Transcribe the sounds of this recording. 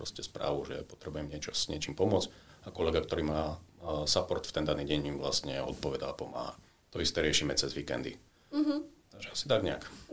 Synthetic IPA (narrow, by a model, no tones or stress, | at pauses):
pɾɔscɛspɾa̰ːʋuʒɛ̰pɔt̪ɾɛbujɛmɲɪɛt͡ʃɔɲɪɛt͡ʃiːmpɔmʊɔt͡sakɔlɛɡakt̪ɔɾiːmaːsapɔɾt̪ft̪ɛnd̪aniːɟɛɲimʋlastɲɛɔ̰t̪̚pɔʋɛd̪aapɔma̰ːɦa̰ | t̪ɔist̪ɛːɾɪɛʃimɛt͡sɛzʋiːkɛ̰nd̪ḭ | ɦ̩t̪aɡʒɛasi̥t̪aɡɲɛa̰k